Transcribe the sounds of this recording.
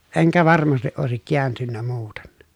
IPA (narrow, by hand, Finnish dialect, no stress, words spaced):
eŋkæ ʋɑrmɑstiʔ ʔoˑesik kiæntynːæ muːten